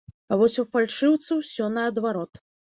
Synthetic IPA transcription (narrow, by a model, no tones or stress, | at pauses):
avɔsʲufalʲʂɨwt̪sɐwsʲɔnɐːd̪vaɾɔt̪